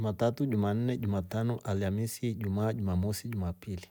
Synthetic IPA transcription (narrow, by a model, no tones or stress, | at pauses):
matatuʄuman̩nɛʄumatanɔʔaliamisiʄumaːʄumamɔsiʄumapili